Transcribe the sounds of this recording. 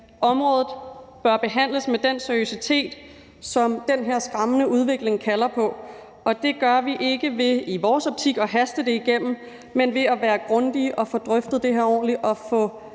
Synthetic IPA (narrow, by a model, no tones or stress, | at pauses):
ʔɒ̽mʁɔ̽ːð̞ˠð̩ˠb̥ɶɐb̥e̝ɦæn̰ləsmed̥en̰seɐiosit͡sʰe̝̰ːd̥ | sɒ̽md̥enɦeɐ̰sɡ̥ʁɑ̈mənəʔuð̞ˠʋe̝ɡ̥le̝ŋkʰælɐpʰɒ̽ | ʔɒ̽d̥e̝ɡ̥ɶɐʋiʔe̝ɡ̥əʋe̝iʋɒːsɒ̽b̥̚t͡sʰiɡ̥ɒ̽ɦæsd̥əd̥e̝iɡ̥em̰m̩ | menʋe̝æʋæːɐɡ̥ʁɔ̽nd̥iʔɒ̽fɔ̽d̥ʁœfd̥ð̩ˠd̥e̝ɦeɐɒ̰ːnliʔɒ̽fɔ̽